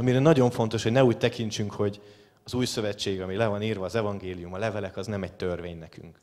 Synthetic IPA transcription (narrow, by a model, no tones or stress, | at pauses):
ɒmiɾɛnɒɟo̞ɱfo̞nt̪o̞ʃhoɟnɛuːc̚t̪ɛkint͡ʃyŋkho̞ɟ | ɒzuːjsø̞vɛt͡ʃːeːɡɒmilɛvɒniːrvɒːzɛvɒŋɡeːlijumɒlɛvɛlɛkɒznɛmɛc̚t̪ørveːɲnɛky̰ŋk